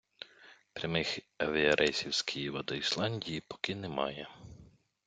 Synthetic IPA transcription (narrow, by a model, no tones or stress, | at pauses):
pɾʲɐmɪx | ɐʋʲiɐɾʔɛjsʲiwsʲkʰʲijiʋɐd̪ɔislˠɑnʲdʲijipɔ̥kɪnɛmɑ̰jɛ